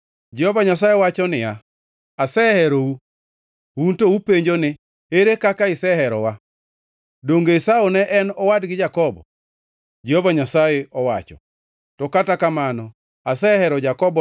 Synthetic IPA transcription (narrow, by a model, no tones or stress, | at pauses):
d͡ʒɛhɔvaɲasajeɔwat͡ʃɔnɪja | asɛhɛɾou | wuntoupeɲd͡ʒonɪ | eɾekakaɪsɛɦɛɾɔwa | doŋɡeɪsaonɛʔɛnɔwadɡɪd͡ʒakɔbɔ̰ | d͡ʒehɔvaɲasajɛɔwat͡ʃɔ̰ | tɔkatakamanɔ | asɛhɛɾɔd͡ʒakɔbɔ